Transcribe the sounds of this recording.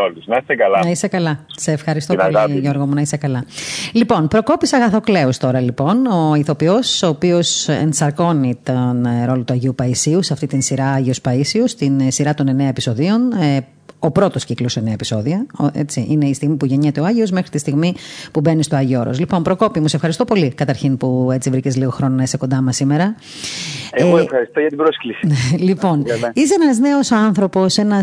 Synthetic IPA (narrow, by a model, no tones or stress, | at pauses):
oliznɐist̪ekɐlɐnɐisekɐlɐseːfxɐɾist̪ooɐlʝoɾɣomunɐise̞kɐlɐlipo̞npɾo̞ko̞pisɐɣɐθo̞kle̞ost̪o̞ɾɐlipo̞no̞iθo̞pio̞so̞ːpio̞sḛnsɐɾko̞nit̪onɾo̞lot̪uɐʝiupɐisiuseɐft̪it̪insiɾɐːʝiospɐisiost̪insiɾɐt̪o̞ne̞neɐepiso̞ðio̞ne | o̞pɾo̞t̪o̞sciklosene̞ɐepiso̞ðiɐoʔet͡siʔine̞ist̪iɣmipuʝeɲet̪e̞oɐʝio̞zme̞xɾit̪ist̪iɣmipube̞nist̪oɐʝioɾozlipo̞mpɾo̞ko̞pimuseefxɐɾist̪o̞po̞likɐt̪ɐɾçinpue̞t͡sivɾicezliɣo̞xɾo̞nonɐist̪eko̞nd̪ɐmɐsimeɾɐ | eɣoefxɐɾist̪ojɐt̪ibɾosklisi̥nelipo̞nisenɐzne̞o̞sɐnθɾo̞po̞se̞nɐ